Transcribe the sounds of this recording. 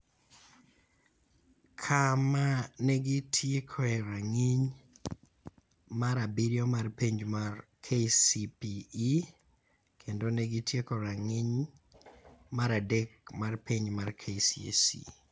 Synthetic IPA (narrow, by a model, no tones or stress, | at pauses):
kʰamaneɡitʰjekʰoɛɾaŋiɲ | maɾabiɾjɔmarpiɲd͡ʒmarkʰesipiː | kʰendoneɡitʰjekoɾaŋiɲ | maɾadek̚marpiɲmarkʰesiḛsḭ